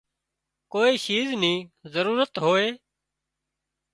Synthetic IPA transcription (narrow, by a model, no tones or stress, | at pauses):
koːiːʃiːznĩːzəɾuːɾət̪ɦoːeː